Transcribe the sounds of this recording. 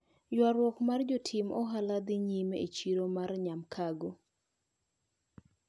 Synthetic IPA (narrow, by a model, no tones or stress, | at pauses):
jwaɾwɔkmard͡ʒotʰɪmɔɦalad̪iɲimḛt͡ʃiɾomarɲamkʰaɡo